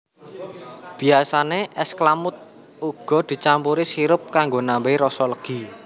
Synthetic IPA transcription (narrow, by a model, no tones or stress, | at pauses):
b̥i̤asaneʔɛsklamʊt̪̚ | uɡ̥ɔ̤d̪̥i̤t͡ʃampuɾisiɾʊp̚kaŋɡonambeiɾɔsɔləɡ̥i̤